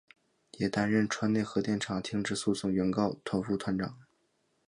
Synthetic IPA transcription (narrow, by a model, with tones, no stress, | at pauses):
jɛ˨˩t̪a˥nɻə˥˩nʈ͡ʂʰwa˥nne˥˩ɪxɤ˧˥t̪jɛ˥˩nʈ͡ʂʰɑ˨˩ŋt̪ʰi˧˥ŋʈ͡ʂɻ̩˥˧su˥˧sʊ˥˩ŋɥɛ˧˥nkɑ˥˩ʊt̪ʰo˧˥ʊfu˥˩t̪ʰwa˧˥nʈ͡ʂɑ̰˨˩˦ŋ